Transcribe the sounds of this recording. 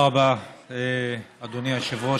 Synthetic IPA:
abaead̪oniaʃavuo

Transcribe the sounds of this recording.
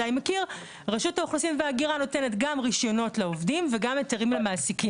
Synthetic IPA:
animekiʁ | ʁaʃutaoχlosimveaɡiʁano̞te̞net̪ɡamʁiʃjo̞no̞tlaovdimveɡameteʁimlamaːsiki

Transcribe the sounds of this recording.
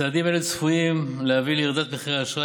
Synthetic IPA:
aːd̪imeled̪t͡sfujimlehaviliʁd̪at̪̚beχʁeaʃʁa

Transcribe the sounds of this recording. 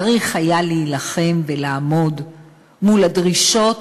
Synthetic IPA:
ʁiχhajaliːlaχe̞mvelaːmo̞d | muladʁiʃot

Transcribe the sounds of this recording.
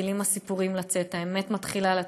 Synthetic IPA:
ilimasipuʁimlat͡se̞thaemet̪mat̪χilala

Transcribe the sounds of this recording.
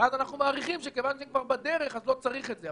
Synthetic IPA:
azanaχnumaːʁiχimʃekevanʃeikvaʁbad̪eʁe̞χazlo̞t͡saʁiχetze

